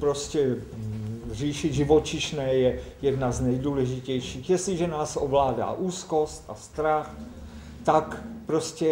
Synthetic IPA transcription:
pɾoscɛ | riːʃiʒivot͡ʃiʃnɛːjɛjɛdnaznɛjduːlɛʒicɛjʃiːxjɛsliʒɛnaːsovlaːda̰ːʔuːskost̪a̰st̪ɾax | t̪akpɾoscɛ

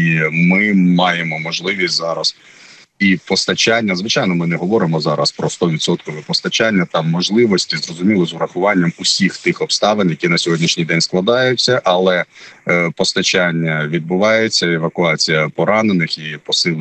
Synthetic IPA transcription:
imɪmɑjemɔmɔʒlˠɪʋʲisʲtʲzɑɾɐs | ipɔst̪ɐt͡ʃanʲːɐzʋɪt͡ʃɑjnɔmɪnɛɦɔʋɔɾɪmɔzɑɾɐ̰spɾɔst̪ɔʋʲit̪sɔt̪kɔʋɛpɔst̪ɐt͡ʃanʲːɐt̪ɑmːɔʒlˠɪʋɔsʲtʲizrɔzʊmʲilˠɔzʊɾɐxʊʋɑnʲːɐmʊsʲixt̪ɪxɔpst̪ɑʋenjɐkʲinɐsʲɔɦɔdʲnʲiʃnʲijd̪ɛnʲsklˠɐd̪ɑjʊt͡sʲːɐʔɐlˠɛ | pɔst̪ɐt͡ʃanʲːɐʋʲid̪̚bʊʋɑjet͡sʲːɐeʋɐkʊɑt͡sʲijɐpɔɾɑnenɪxipɔsɪlˠ

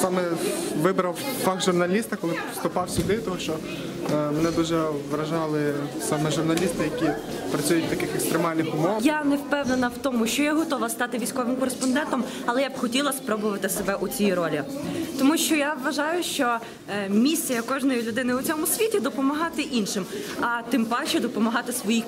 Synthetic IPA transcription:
sɑmɛʋɪbɾɐwfɑkʒʊrnɐlʲist̪ɐkɔlˠɪst̪ʊpɑwsʲʊd̪ɪt̪ɔɦɔʃt͡ʃɔ | menɛd̪uʒɛʋɾɐʒɑlˠɪsɑmɛʒʊrnɐlʲist̪ɪjɐkʲi | pɾɐt͡sʲujʊt̚ʲt̪ɐkɪxekst̪ɾemɑlʲnɪxʊmɔʋjanɛwpɛwnenɐwt̪ɔmʊʃt͡ʃɔjɛɦɔt̪ɔʋɐst̪ɑt̪ɪʋʲijsʲkɔʋɪmkɔɾespɔnd̪ɛnt̪ɔm | ɐlˠɛjabxɔtʲilˠɐspɾɔbʊʋɐt̪ɪsebɛʔʊt͡sʲijiɾɔlʲit̪ɔmuʃt͡ʃɔjaʋʋɐʒɑjʊʃt͡ʃɔ | mʲisʲijɐkɔʒnɔjilʲʊd̪ɪnɪʊt͡sʲɔmʊsʲʋʲitʲid̪ɔpɔmɐɦɑt̪ɪʔinʃɪmɐt̪ɪmpɑʃɛd̪ɔpɔmɐɦɑt̪ɪsʋɔji

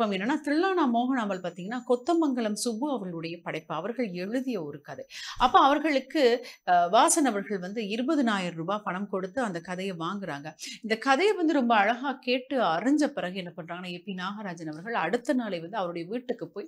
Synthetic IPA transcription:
ɐmɛnːɐnːaːt̪ɪɾɪɭːaːnaːmoːɣɐnaːmɐlpaːɾt̪iːŋɡɐnːaːkɔt̪ːɐmbɐŋɡɐɭɐmsʊbɯɐʋɐɾɣɐɭɯɽɐjɐpɐɽɐɪpːɯɐʋɐɾɣɐɭɛɻɯðɪjɐɔɾɯkɐðɐɪɐpːoːɐʋɐɾɣɐɭɯkːɯʋaːsɐnɐʋɐɾɣɐɭʋɐnd̪ɯɪɾɯbɐðɯnaːjɪɾɾɯbaːpɐɳɐmkɔɽɯt̪ːɯɐnd̪ɐkɐðɐjɛʋaːŋɡɪɾa̰ːŋɡɐɪnd̪ɐkɐðɐjɛʋɐnd̪ɯɾɔmbɐːɻɐɣaːkeːʈːɯɐɾɐɲd͡ʒɐpɪɾɐɣɐɛnːɐpɐɳːɾaːŋɡɐnaːɛpːinaːɣɐɾaːd͡ʒɐnɐʋɐɾɣɐɭɐɽɯt̪ːɐnaːlɐɪʋɐnd̪ɯɐʋɐɾɯɽɐjɐʋiːʈːɯkːɯpːoːj

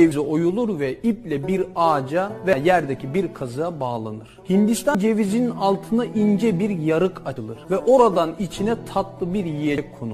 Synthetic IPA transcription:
evizio̞julˠuɾvɛiplʲɛbiɾaːd͡ʒavɛjæɾd̪ɛcʰibiɾkʰazɯjabaːlˠa̰nɯɾ̥hind̪ist̪ʰad͡ʒe̞vizininalˠt̪ʰɯnaʔind͡ʒɛbiɾjaɾɯkʰaɯlˠɯɾ̥vɛʔo̞ɾad̪anit͡ʃʰinɛt̪ʰat̪lˠɯbiɾjiekʰonu

